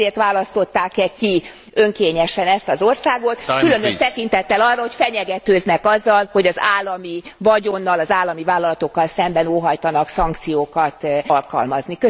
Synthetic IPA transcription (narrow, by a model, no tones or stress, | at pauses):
eːrt̪ʋaːlɒst̪o̞t̪ːaːkɛki | ø̞ŋkeːɲɛʃɛnɛst̪ɒzo̞rsaːɡo̞t̪kylønøʃt̪ɛkin̪t̪ɛt̪ːɛlɒrːɒɦo̞cfɛɲɛɡɛt̪øːznɛkɒzːɒlho̞ɟɒzaːlːɒmivɒɟo̞nːɒlɒzaːlːɒmivaːlɒlɒt̪o̞kːɒlsɛmbɛnoːɦɒjt̪ɒnɒksɒŋk̚t̪sijoːkɒt̪lkɒ̰lmɒznikø